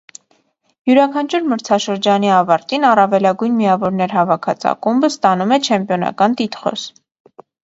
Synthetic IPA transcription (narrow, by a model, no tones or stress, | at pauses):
juɾɑkʰɑnt͡ʃʰuɾməɾt͡sʰɑʃəɾd͡ʒɑniɑvɑɾt̪inɑrɑvɛlɑɡujnmiɑvɔɾnɛɾɦɑvɑkʰɑ̰t͡sʰɑ̰kumbəst̪ɑnumɛt͡ʃʰɛmpjɔnɑ̰kɑnt̪it̪χɔ̰s